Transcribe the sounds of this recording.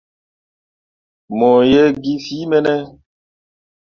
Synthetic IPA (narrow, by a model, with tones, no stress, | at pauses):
mɔ˨jɛ˦ɡi˦fi˨˦mɛ˦nɛ˦